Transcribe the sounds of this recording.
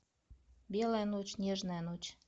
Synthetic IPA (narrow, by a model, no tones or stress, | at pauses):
belenot͡ɕnʲeʒnenot͡ɕ